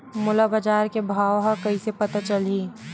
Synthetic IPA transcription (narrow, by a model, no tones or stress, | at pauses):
mʊlabad͡ʒaːɾkebʱaːʋɦakɐisepɐt̪at͡ʃɐliː